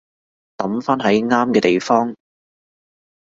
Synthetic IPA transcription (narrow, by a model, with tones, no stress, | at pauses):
t̪ɐ˨˥mfaː˥nɦɐ˨˥jŋaː˥mkɛː˧t̪e˨jfɔː˥ŋ